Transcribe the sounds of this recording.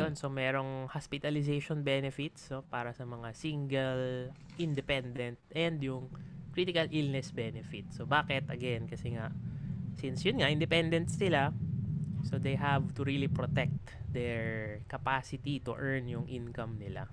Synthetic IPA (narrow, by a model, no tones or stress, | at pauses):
jonso̞mɛːɾo̞ŋhaspɪt̪ɐlɪsejʃonbɛnɛfɪt̪snopaːɾɐsɐmɐŋasiŋɡɛl | ʔɪnd̪ɛpɛnd̪ɛnt̪̚ʔɛnd̪jʊŋkɾit̪ɪkɐlʔilnɛsbɛnɛfɪt̪̚sobaːkɛt̪ɐɡɛnkɐsɛŋaʔsinsjʊnŋaʔɪnd̪ɛpɛnd̪ɛnt̪sɪla | sod̪ejɦavt̪ʊɹilipɾot̪ɛk̚t̪d̪ɛɹkɐpasɪt̪it̪ʊ̰ʔɛɹnjʊŋʔinkɐmnɪla̰